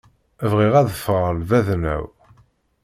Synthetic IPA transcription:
ævʁiʁæðəfʁəlvæðnæ̰w

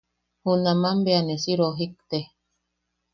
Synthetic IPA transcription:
hunamambeanesiɾoɦik̚t̪e

